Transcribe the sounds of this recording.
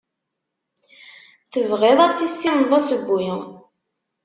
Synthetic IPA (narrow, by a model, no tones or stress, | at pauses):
θəvʁeðˤæt͡sːisːimðˤæsəbːujə